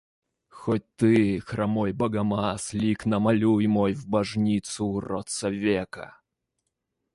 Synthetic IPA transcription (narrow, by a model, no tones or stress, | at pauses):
xot̚ʲt̪ɨxɾʔamojbɐɡamaslʲiknɐmalʲujmɔjvbɐʐnʲit̪sʊrɔt̪sɐvʲekɐ̰